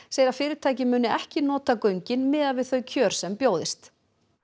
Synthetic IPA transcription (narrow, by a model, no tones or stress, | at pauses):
seːjɪɾafɪːɾɪt̪ʰaːjcɪmʏːnʏɛhcɪnɔːt̪akœɥɲcɪnmɪːðaðvɪðθœɥcʰœːɾ̥sɛmpjoːwðɪst̪